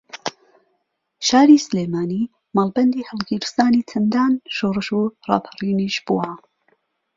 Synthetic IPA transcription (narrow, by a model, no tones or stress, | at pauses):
ʃaːɾisleːmaːniː | maːlˠbɐnd̪iːhəlˠɡiɾɨst̪aːniːt͡sʰɐnd̪aːnʃoːrɨʃurˤɑ̰ːpʰəriːniʃb̥uwa